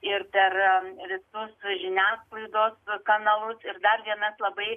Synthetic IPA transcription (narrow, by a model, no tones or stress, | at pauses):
ɪrpʲɛrʋʲɪt̪ʊslʲɪnʲæːsklˠɐɪd̪oːskɐnɐlˠʊsɪrd̪ɐrʋʲiɛnɐslˠɐbɐɪ